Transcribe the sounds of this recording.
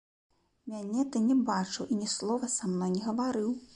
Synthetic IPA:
mʲanʲɛt̪ɨnʲɛbat͡ʂɨwinʲɛslˠɔvɐsamnɔjnʲɛɣɐvaɾɨw

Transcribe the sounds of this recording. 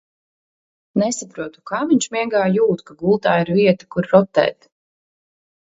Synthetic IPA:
nɛsapɾuɔt̪u̥kaːmiɲʲʃmiɛɡaːjuːt̪kaɡulˠt̪aːiɾviɛt̪ḁkuɾɾɔt̪ːɛ̰ːt̪

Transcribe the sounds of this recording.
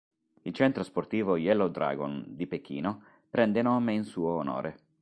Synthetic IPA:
ilt͡ʃɛnt̪ɾosport̪iːvojɛlod̪ɾa̰ɡo̰nd̪ipekːḭːno | pɾɛnd̪enɔːmeinsuːoːno̰ːɾʔe

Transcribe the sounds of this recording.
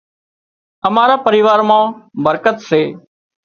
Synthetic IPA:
əmaːɾaːpəɾiːʋaːɾmãːbəɾkət̪seː

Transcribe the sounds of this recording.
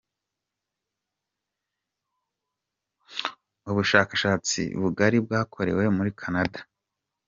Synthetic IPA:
uβuʃaːkaʃaːt͡sḭβuɡaɾib̚ɡaːkʰo̞ɾe̞̰we̞muɾikʰanadḁ

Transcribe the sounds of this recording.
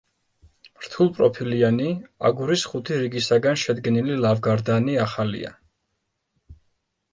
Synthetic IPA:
mɾt̪ʰulˠpʼɾɔpʰiliania̰ɡuɾisχut̪ʰiɾiɡisaɡanʃɛd̪ɡɛnililavɡaɾd̪aniaχalḭa̰

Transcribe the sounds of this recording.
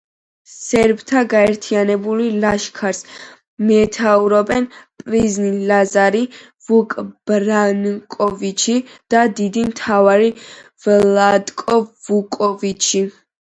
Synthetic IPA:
sɛɾbt̪ʰaɡaɛɾt̪ʰianɛbulilaʃkʰaɾs | mɛt̪ʰauɾɔbɛnpʼɾiznilazaɾi | vukʼb̥ɾankʼɔvit͡ʃʰid̪̥ad̪id̪imt̪ʰavaɾivlad̪kʼɔvukʼɔvit͡ʃʰi

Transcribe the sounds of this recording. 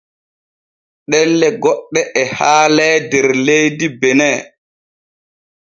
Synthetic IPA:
ɗɛlːɛɡɔɗːɛʔɛhaːlɛːdɛɾlejdibɛnɛː

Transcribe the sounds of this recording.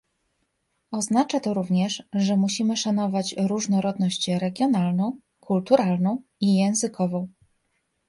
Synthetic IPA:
ɔznat͡ʂat̪ɔɾuvɲɛʂʐɛmuɕimɘʂanɔvat͡ɕɾuʐnɔɾɔd̪nɔɕt͡ɕɾɛɡʲjɔnalnɔ̃w̃ | kult̪uɾalnɔ̃w̃ijɛ̃w̃zɘkɔvɔ̃w̃

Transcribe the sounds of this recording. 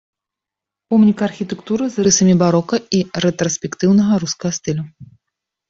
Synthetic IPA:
pɔmnʲikɐrxʲit̪ɛkt̪uɾɨzrɨsɐmʲibaɾɔkɐiɾɛt̪ɾɐsʲpʲɛkt̪ɨwnɐɣɐɾuskɐɣɐst̪ɨlʲu

